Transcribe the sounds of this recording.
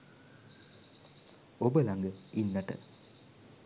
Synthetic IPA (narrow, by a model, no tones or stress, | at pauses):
obəlaŋɡəinːəʈə̰